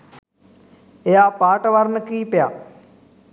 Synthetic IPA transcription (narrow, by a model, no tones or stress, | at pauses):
eaːpaːʈəʋaɾnəkiːpejaː